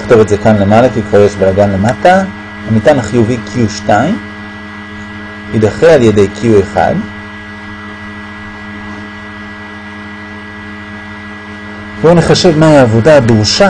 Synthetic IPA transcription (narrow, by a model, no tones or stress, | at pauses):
χtovetze̞kanle̞malakikvajeʃbelaɡanle̞mata | amitanaχijuvikʰiuʃtaim | hidaχealjede̞jkʰiueχa̰d | voaniχaʃe̞vmahiaːvo̞daːdʁuʃa